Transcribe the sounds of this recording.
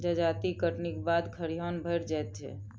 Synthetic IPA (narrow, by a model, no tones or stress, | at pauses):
d͡ʒəd͡ʒat̪ikəʈnikebad̪kʰəɾiɦanbʱəjɾd͡ʒajt̪̚t͡ʃʰɛ̰